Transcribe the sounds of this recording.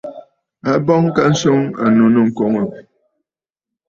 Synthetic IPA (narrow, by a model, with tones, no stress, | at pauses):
a˨bɔ˦ŋ˦ka˦n̩˦so˦ŋa̰˨nu˨nə˦ŋ̩˨ko˦ŋo˨